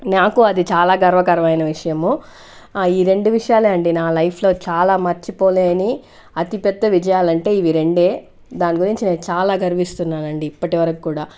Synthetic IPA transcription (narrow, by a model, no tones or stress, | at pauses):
naːkuɐd̪it͡ʃaːlaːɡɐɾʋɐkɐɾɐmɐjnɐʋiʂɐjɐmu | iːɾe̞ɳɖuʋiʂɐjaːleːɐɳɖinaːlɐjpʰlo̞ːt͡ʃaːlaːmɐɾt͡ʃipo̞ːleːni | ɐt̪ipɛd̪ːɐʋid͡ʒɐjaːlɐɳʈe̞ːiʋiɾe̞ɳɖe̞ː | d̪aːniɡuɾiɲt͡ʃine̞ːnut͡ʃaːlaːɡɐɾiʋist̪unːaːnɐɳɖiːpːɐʈiʋɐɾɐkikuːɽaː